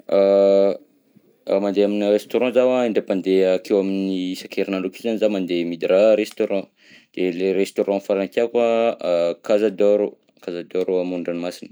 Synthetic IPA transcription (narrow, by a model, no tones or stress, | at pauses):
a | mand̪eaminrest̪oɾɑ̃zawaiɳɖ͡ʐepand̪eakewaminisakʰeɾinalukizanizamand̪emid̪ɾaɾest̪oɾɑ̃ | d̪̥eleɾest̪oɾɑ̃faɾank̪ʲiaka | kazad̪oɾo | kazad̪oɾuamuɳɖ͡ʐanimasin